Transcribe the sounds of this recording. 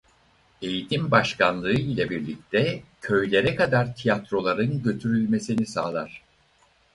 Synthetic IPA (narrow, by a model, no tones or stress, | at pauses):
e̞jit̪ʰimbaʃkanlˠɯɯlʲabiɾlʲic̚t̪ʰɛcʰø̞jlʲe̞ɾɛkad̪aɾt̪ʰijat̪ɾo̞lˠaɾɯnɟø̞t̪ʰyɾylʲme̞sinisaːlˠaɾ̥